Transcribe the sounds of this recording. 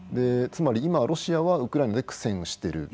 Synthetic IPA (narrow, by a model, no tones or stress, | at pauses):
d̪e̞t͡sɨmaɾʲiimaɾʔo̞ɕiaβaɯ̟kɯɾainad̪e̞kɯ̥sẽ̞ɰ̃oɕi̥t̪e̞ɾɯ̟̰